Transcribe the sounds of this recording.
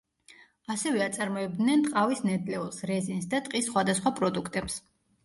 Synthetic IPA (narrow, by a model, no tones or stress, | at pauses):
asɛvɛat̪sʼaɾmɔɛb̚d̪nɛnt̪ʼqʼavisnɛd̪lɛulˠsɾɛzinsd̪at̪ʼqʼisːχwad̪asχwapʼɾɔd̪ukʰt̪ʼɛps